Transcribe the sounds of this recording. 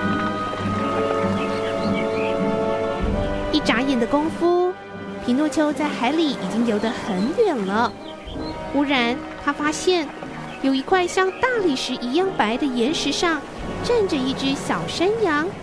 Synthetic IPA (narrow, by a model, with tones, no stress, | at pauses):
i˥˩ʈ͡ʂa˧˥jɛ˨˩nd̪ə˦kʊ˥ŋfu˥ | pʰi˧˥nwɔ˥˩t͡ɕʰjo˥ʊt͡sa˥˩ɪxa˧˥ɪli˨˧˩i˨˩t͡ɕi˥ŋljo˧˥ʊd̪ə˧xə˧˥˦nɥɛ˨˩nlə˦ | ku˥ɻa˧˥n | t̪ʰa˥fa˥ɕjɛ˥˩n | jo˨˩ʊi˧˥kʰwa˥˧ɪɕjɑ˥˧ŋt̪a˥˧li˥˩ʂɻ̩˧˥ʔi˧˥jɑ˥˩ŋpa˧˥ɪd̪ə˨jɛ˧˥nʂɻ̩˧˥ʂɑ˥˧ŋ | ʈ͡ʂa˥˩nʈ͡ʂə˩i˥˩ʈ͡ʂɻ̩˥ɕjɑ˨˩ʊʂa˥njɑ˧˥ŋ